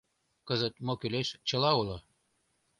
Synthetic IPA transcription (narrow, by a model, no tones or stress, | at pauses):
kəzə̆t̪̚mokyleʃt͡ɕə̆lɑulɤ̆